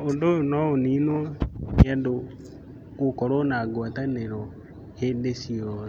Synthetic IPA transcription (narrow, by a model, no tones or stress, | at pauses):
ondoonɔoninɔando | kokɔɾonaɡwataneɾɔ | hendesiɔ